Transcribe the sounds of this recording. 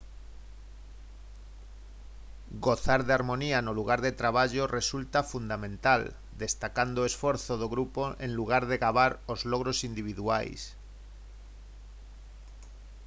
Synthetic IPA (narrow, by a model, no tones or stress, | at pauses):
ɡoθaɾðeaɾmo̞nianoluɣ̞aɾðe̞t̪ɾaβ̞aʎoresult̪afund̪amẽnt̪al | d̪e̞st̪akand̪oesfo̞ɾθoð̞oɣɾupoʔenluɣ̞aɾðe̞ɣaβaɾozloɣ̞ɾosind̪iβ̞iðua̰js